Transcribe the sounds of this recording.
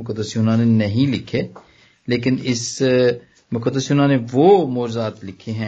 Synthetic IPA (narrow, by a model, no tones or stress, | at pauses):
ʊkəd̪ːəsjʊnãnenɐɦĩlɪkʰːe | leːkɪnɪs | mʊkəd̪ːəsjʊnãneʋoːmoːd͡ʒzaːt̪lɪkʰeɦɛ̃ː